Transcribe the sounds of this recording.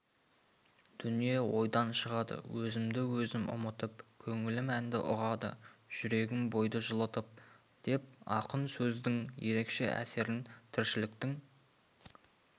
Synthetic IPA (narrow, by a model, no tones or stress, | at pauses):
d̪̥ʏnije̞wo̞jd̪ɑnʃəʁɑd̪ə̰wʔɵzɪmd̪ɪwɵzɪmʔʊ̰mət̪əp̚kʲʰɵŋɪlɪmænd̪ɪ̰ʔʊʁɑd̪ə̰ʒ̥ʏɾe̞ɡʲɪnbo̞jd̪əʒəlˠət̪əp̚ | d̪̥e̞p̚ɑqənsɵzd̪ɪŋje̞ɾe̞kʃe̞̰ʔæ̰se̞ɾɪnt̪ʰɪɾʃɪlɪkt̪ɪŋ